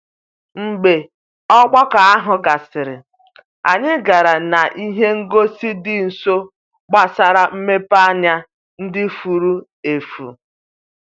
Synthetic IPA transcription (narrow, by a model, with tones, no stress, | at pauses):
ŋ͡m̩˨ɡ͡be˨ | ɔ˦ɡ͡bɔ˦ka˨a˦ɦʊ˨ɡa˨sɪ˨ɾɪ˨ | a̰˨ɲɪ˦ɡa˨ɾa˨na˨ʔi˦ɦe˦ŋ̩˦ɡo˦si˦dɪ˦n̩˨so˦ | ɡ͡ba˨sa˦ɾa˨m̩˦me˦pa˦ɲa˦ | n̩˦dɪ˦fu˨ɾu˦ | e˨fṵ˨